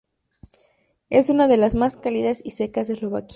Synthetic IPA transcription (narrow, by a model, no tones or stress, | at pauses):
e̞sunaðe̞lazmaskaliðasise̞kazðeslo̞βa̰k